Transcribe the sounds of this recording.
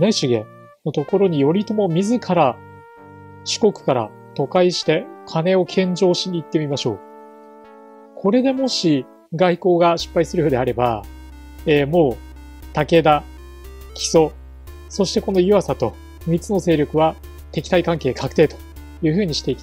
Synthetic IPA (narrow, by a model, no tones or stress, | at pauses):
ne̞ɕiɡe̞̰ | no̞t̪o̞ko̞ɾo̞ɲ̟ijo̞ɾʲit̪o̞mo̞mʲizɨkʰaɾa | ɕi̥ko̞kɯ̟̥kaɾa̰ | t̪o̞kaiɕi̥t̪e̞kʰane̞o̞kʰẽ̞ɲd͡ʑo̞ːɕiɲ̟iːt̪ːe̞mʲimaɕo̞̰ː | kʰo̞ɾe̞d̪e̞mo̞ɕi | ɡaiko̞ːɡaɕi̥pːaisɨɾɯɯd̪e̞aɾe̞ba̰ | eːmo̞ː | t̪ake̞d̪a | kʲi̥so̞ | so̞ɕi̥t̪e̞ko̞no̞jɯβasat̪o̞ | mʲit͡sɨno̞se̞ːɾʲo̞kɯ̟βa | t̪e̞kʲi̥t̪aikãŋke̞ːkʰakɯ̟̥t̪e̞ːt̪o̞̥ | jɯ̟ːɸɯ̟ːɲ̟iɕi̥t̪e̞ikʲi̥